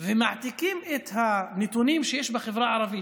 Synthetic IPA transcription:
vɪmaʕt̪ɪkiːmʔɪt̪hanɪt̪uniːmʃjeːʃbɪxɪvɾaʕɑɾˤɑbɪj

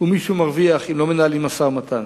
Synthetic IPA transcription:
umiʃumaʁviaχimlo̞menaalimasaʁmat̪ʰan

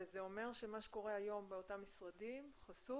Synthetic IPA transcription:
zeo̞me̞ʁʃemaʃeko̞ʁeajo̞mbeo̞tamːisʁadimχasu

